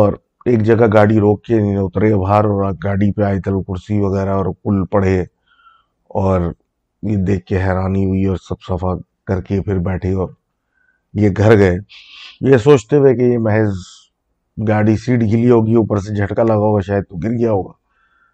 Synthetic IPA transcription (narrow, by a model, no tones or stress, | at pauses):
ɔːɾ | eːk̚d͡ʒɐɡaɡaːɽiɾoːk̚keneʊt̪ɾeabʱaːɾɔːɾaɡaːɽipeaːit̪ɐlkʊɾsiʋɐɣɛːɾaɔːɾkʊlpɐɽ̤e | ɔːɾ | jed̪eːkʰkeɦɛːɾaːniɦʊiɔːɾsɐbsɐfa | kɐɾkepʰɪɾbɛːʈʰeɔːɾ | jeɡʱɐɾɡɐejesoːt͡ʃt̪eʋekejemɛɦez | ɡaːɽisiːʈɡʱɪliɦoːɡieuːpəɾsed͡ʒʱɐʈkalɐɡaːɦoɡaʃaːjəd̪̚t̪oɡɪɾɡɐjaɦoːɡaː